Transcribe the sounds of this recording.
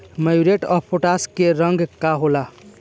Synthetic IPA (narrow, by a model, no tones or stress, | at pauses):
məjuɾeʈəpʰːoʈaskeɾəŋɡkaɦola